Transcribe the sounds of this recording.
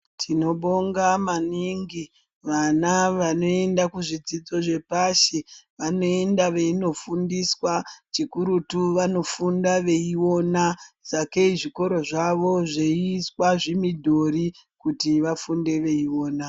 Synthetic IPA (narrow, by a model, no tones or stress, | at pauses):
tʰino̞ɓoŋɡamaniŋɡi | ʋanaʋano̞e̞ndakuʐid͡zid͡zo̞ʐe̞paʃiʋano̞e̞ndaʋe̞ino̞fundiswat͡ʃikuɾutuʋano̞fundaʋe̞iwo̞naz̥akeiʐiko̞ɾo̞ʐaʋo̞ʐeiiswaʐimidʱo̞ɾi | kutiʋafunde̞ʋe̞iwo̞ːna